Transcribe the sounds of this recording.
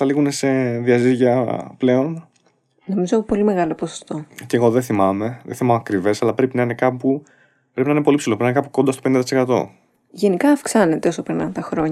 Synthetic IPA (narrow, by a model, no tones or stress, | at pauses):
θɐliɣune̞se̞ðiɐziʝiɐple̞o̞n | no̞mizopo̞lime̞ɣɐlo̞poso̥st̪o̞c̪ieɣo̞ðeθimɐme̞ðeθimɐmɐkɾive̞sɐlɐpɾe̞pinɐine̞kɐpu | pɾepinɐinepo̞lipsilopɾininekɐpu̥ko̞nd̪ɐst̪opeind̪t̪isekɐt̪o̞̰ | ʝe̞nikɐːfksɐne̞t̪eosopɾinɐt̪ɐxɾo̞ɲ